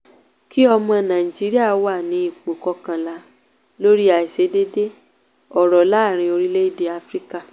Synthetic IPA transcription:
ki˦ɔ˧mɔ̃˧nã˨i˨d͡ʒi˨˦ɾi˦a˦˨˦wa˦˨nĩ˨˦i˦˨k͡po˨kɔ˧kã˧la˧˦ | lo˦ɾi˦a˨i˨se˧˦de˦de˦ | ɔ˨ɾɔ˨la˨˦˨ɾ̃ĩ˧o˧ɾi˦le˦i˦de˧a˧fɾi˦ka˦˨

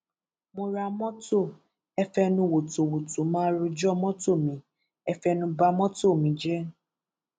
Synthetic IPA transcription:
mo˧ɾa˧mɔ̃˦to˦˨ | ɛ˧fɛ˧nũ˧˨wo˨to˨wo˨to˨˦mã˦ɾu˧d͡ʒɔ˦˨mɔ̃˦to˦˨mĩ˨˦ | ɛ˧fɛ˧nũ˧ba˧mɔ̃˦to˦˨mĩ˨˦d͡ʒɛ˦

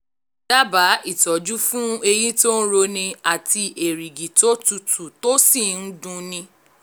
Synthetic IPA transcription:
d̥a˦ba˨˦i˦˨tɔ˨˦d͡ʒu˦fũ˦e˧ji˦to˦n̩˦ɾo˧nĩ˧a˦˨ti˧ʔe˨ɾi˨ɡi˨to˦tu˨˧tu˨to˦si˦˨n̩˦dũ˧nĩ˧

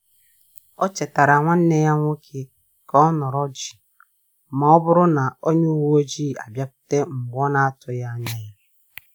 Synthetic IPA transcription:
ɔ˦t͡ʃe˨ta˨ɾa˨ŋʷa˦n̩˦ne˦ja˦ŋʷo˦kʰe˦ | kɔ˦ɔ˦nɔ˨ɾɔ˦d͡ʒi˨ | ma˨ɔ˦bʊ˦ɾʊ˦na˨o˦ɲe˦u˦wu˦o˦d͡ʒi˦˨a̰˨bja˦p̚ʊ̥˦te˦ŋ̩˨ɡʷɔ˦na˦a˦tʊ˨ja˦ɲa˦ja˦

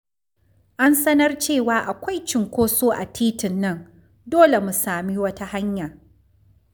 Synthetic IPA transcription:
ʔa˦nsɐ˦nɐ˦rt͡ʃeː˦˨waː˨˦ʔa˨kʷa˦jt͡ʃɪ˨ŋkʷoː˦soː˦ʔa̰˨tʰiː˦tɪ˨nːɐ˦˨n | doː˦le˨mu˨saː˨miː˦wɐ˦ta˦ha˦ɲja˨

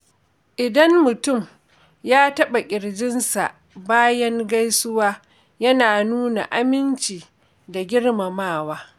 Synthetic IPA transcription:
ʔɪ˨dɐ˦nmʊ˨tʊ˦˨m | jaː˦tɐ˦ɓa˨kʲʼɪ˨ɽd͡ʒɪ˦nsa̰˨ʔ | baː˦jɐ˦ŋɡa˦jsʊ˦waː˦ | jɐ˦naː˨nuː˦na̰˨ʔa˦mɪ˦nt͡ʃiː˨ | da˨ɡʲɪ˦ɽma˨maː˦˨waː˦

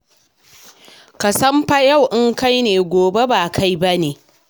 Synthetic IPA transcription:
kɐ˨sɐ˦mɸa˦ja˦˨wʔɪ˦ŋka˦jneː˨ɡʷoː˨be˦baː˨kʰa˦jba˦neː˨

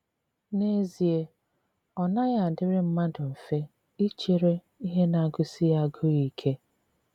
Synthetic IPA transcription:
ne˦zi˨e˦ | ɔ˨na˦ɣa˨a˨dɪ˦ɾɪ˦m̩˦ma˦dʊ˨m̩˨fe˦ | i˦t͡ʃe˨ɾe˦ | i˦ɦe˦na˨a˨ɡʊ˦si˦ja˦˨˦ɡʊ˦ɣi˨˦kʰe˦

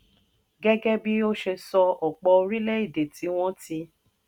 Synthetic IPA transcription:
ɡɛ˦ɡɛ˦bi˦o˦ʃe˧sɔ˧ɔ˨k͡pɔ˧o˧ɾi˦le˦i˦˨de˨ti˨˦w̃ɔ̃˦ti˧˦

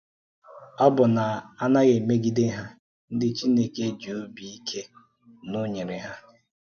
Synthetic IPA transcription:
ɔ˦bʊ˨na˨a˦na˦ɣe˨me˦ɡi˦dɪ˦ɦa˦ | n̩˦dɪ˦t͡ʃi˦ne˦ke˦d͡ʒu˨o˦bi˨i˦kʰe˦ | nʊ˦ɲe˨ɾɪ˨ɦa˦

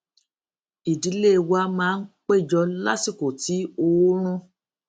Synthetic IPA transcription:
i˨di˨˦le˦˨wa˧˦mãː˦n̩˦k͡pe˦˨d͡ʒɔ˧la̰˦si˦˨ko˨ti˨˦o˧wo˦ɾ̃ũ˦

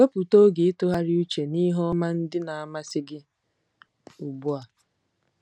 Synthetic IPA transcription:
o˦pu˨to˦ɡe˨ɪ˦tʊ˦ɦa˦ɾɪ˦u˦t͡ʃe˨ni˦ɦɔ˦ma˦n̩˦dɪ˦na˨a˨ma˦sɪ˦ɡɪ˦ | u˨bu˦a˨

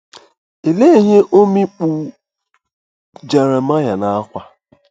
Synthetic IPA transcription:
e˨le˦i˨ɦe˦ʔo˦mi˦k͡pu˨ | d͡ʒe˨ɾe˨ma˦ja˨na˨a˦kʷa˦

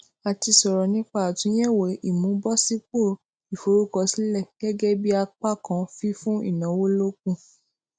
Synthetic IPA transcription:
a˨ti˧sɔ˨ɾɔ˨nĩ˦k͡pa˦a˨tũ˨˦j̃ɛ̃˦˨we˨i˨mũ˨˦bɔ˦si˦k͡po˦˨ | i˨fo˨ɾu˦kɔ˧si˦lɛ˦˨ɡ̥ɛ˦ɡɛ˦bi˦a˧k͡pa˦˨kã˧˦fi˦fũ˦ḭ˦˨nã˨˦wo˦lo˦k̚ũ˦

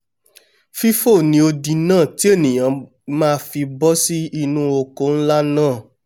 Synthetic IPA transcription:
fi˦fo˦˨nĩ˧o˧di˨˧nãː˦˨ti˦e˦˨nĩ˨j̃ã˨˦ | mãː˦˧fi˧bɔ˦si˦i˧nũ˧˦o˧ko˨˦n̩˦la˦nãː˦˨

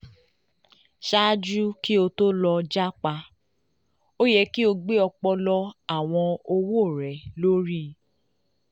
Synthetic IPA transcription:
ʃa˦d͡ʒu˦ki˦o˧to˦lɔ˧d͡ʒa˦k͡pa˧ | o˦jɛ˧ki˦o˧ɡ͡be˦ɔ˧k͡pɔ˧lɔ˧a˦˨w̃ɔ̃˧o˧wo˦o˦˨ɾɛ˨˦lo˦ɾi˦

